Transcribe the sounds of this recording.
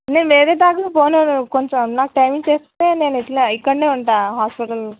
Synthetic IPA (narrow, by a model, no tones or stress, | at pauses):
ne̞ːnʋeːɾeːd̪aːkapoːnoːnukoɲt͡ʃɐmnaːkuʈɐjmiŋɡt͡ʃeːst̪eːneːniʈlɐikːɐɳːeːuɳʈaːɦaːspiʈɐl